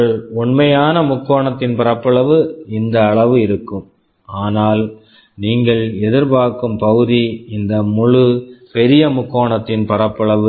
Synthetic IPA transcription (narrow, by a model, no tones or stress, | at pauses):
ɐɭʊɳmɐjaːnɐmʊkːoːɳɐt̪ːɪnpɐrɐpːɐɭɐʋɯɪnd̪ɐːɭɐʋɯɪɾɯkːɯm | aːnaːl | niːŋɡɐɭɛðɪɾpaːɾkɯmpɐɣɯðiɪnd̪ɐmʊɻɯpɛɾɪjɐmʊkːoːɳɐt̪ːɪnpɐrɐpːɐɭɐʋɯ